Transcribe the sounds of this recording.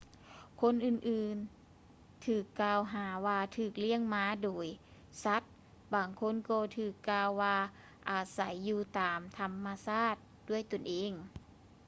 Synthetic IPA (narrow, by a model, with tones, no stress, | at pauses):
kʰo˧˥˨nʔɯː˧˩nʔɯː˨˧˩n | t̪ʰɯː˨˩kːaː˧wɦaː˩˦waː˧t̪ʰɯː˧˩k̚li˧˥˩əŋmaː˧˥doː˨˦j | sa˧˦˥t̪̚ | baː˨˩ŋkʰo˧˥˨nkɔː˧t̪ʰɯː˧˩kːaː˧wːaː˧ | ʔaː˨˩sa˨˩˦jːuː˧t̪aː˨˩mt̪ʰa˧mːa˧saː˥˩t̪̚du˥˩əjt̪o˧˩nʔeː˨˧˦ŋ